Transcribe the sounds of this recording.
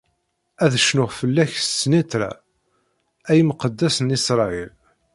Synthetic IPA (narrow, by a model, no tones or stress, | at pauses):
æðəʃnʊʁfəlːæçssnit̪ɾæ̰ | æjmqəd̪ːæsnisɾˤɑil